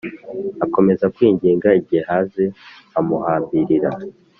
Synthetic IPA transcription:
ako̞me̞zakwiːɲɟiːŋɡaiɟihehaːze̞ | amuhaːmbiɾiɾa

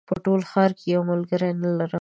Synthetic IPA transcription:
pəʈolxɑɾkejawmʊlɡəɾanəlaɾə

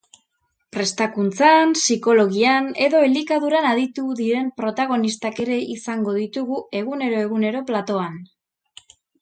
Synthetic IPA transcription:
pɾe̞st̪akunt͡sansiko̞lo̞ɣiane̞ðo̞elikaðuɾanaðit̪uðiɾe̞mpɾo̞t̪aɣ̞o̞nist̪ake̞ɾe̞isaŋɡo̞ðit̪uɣue̞ɣ̞une̞ɾo̞e̞ɣune̞ɾo̞plat̪o̞an

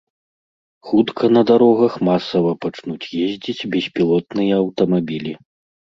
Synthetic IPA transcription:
xut̪kʰɐnɐd̪aɾɔɣɐxmasɐvɐpat͡ʂnut͡sʲjezʲd͡zʲit͡sʲbʲɛsʲpʲilˠɔt̪nɨjɐɐwt̪ɐmabʲilʲi

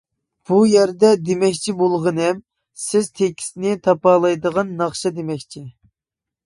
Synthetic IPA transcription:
b̥ujɛɾd̪ɛd̪emɛkʲt͡ʃʰibolˠʁənɛm | sɪz̥t̪ʰekʲʰi̥snɪt̪ʰɑpɑːlˠɑjd̪əʁɑnːɑχʃɑd̪emɛkʲt͡ʃʰi

